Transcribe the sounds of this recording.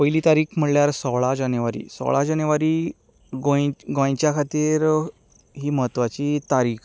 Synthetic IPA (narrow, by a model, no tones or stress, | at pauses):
pəjliːt̪aɾiːkʰm̤əɽljaɾsɔɭad͡ʑənjʋaɾḭːsɔ̰ɭad͡ʑanjəʋaɾiː | ɡojɡãj̃t͡ɕjakʰat̪iːɾ | ɦiːməɦət̪ʋat͡ɕiːt̪aɾiːkʰ